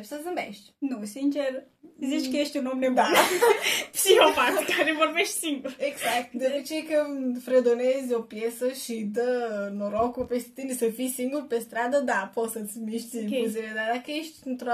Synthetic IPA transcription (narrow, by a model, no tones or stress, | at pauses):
sɐzɨmbeʃt̪ʲnũsint͡ʃeɾ | ziʃt͡ʃ̪kəjeʃt̪ʲunomled̪a | siewfakkaɾevoɾbeʃt̪ʲsiŋɡuɾeɡzak̚t̪d̪oɾet͡ʃejakəfɾed̪onezʲopjesəʃid̪ənoɾokupest̪insəfisiŋɡuɾpest̪ɾad̪əd̪aposət̪sʲmiʃt̪ʲuziɾed̪ad̪akəjeʃt̪ʲnt̪ɾo